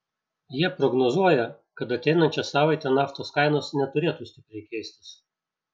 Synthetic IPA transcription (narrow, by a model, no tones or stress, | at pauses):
jiɛpɾɔɡnɔzuɔjɛ | kɐt̪ɐt̪ʲɛɪnɐnʲt͡ʃʲɛsɑːʋɐɪt̪ʲɛnɑːft̪oːskɑɪnoːsnʲɛt̪ʊɾʲeːt̪uːsʲt̪ʲɪpʲɾʲɛɪkʲɛɪsʲt̪ʲɪ̥s